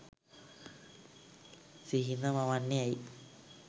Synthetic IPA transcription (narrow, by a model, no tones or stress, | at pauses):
siɦinamawanːiaj